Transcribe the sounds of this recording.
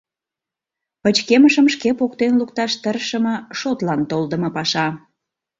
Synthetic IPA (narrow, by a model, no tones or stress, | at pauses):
pət͡ɕkeməʃəmʃkepokt̪enlukt̪ɑʃt̪ərʃəmə̆ʃot̪lɑnt̪old̪ə̆mɤ̆pɑʃɑ